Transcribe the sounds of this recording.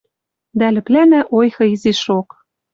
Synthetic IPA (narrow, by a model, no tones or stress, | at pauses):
d̪ælɘ̆plænæʔojxɤ̆iziʃoq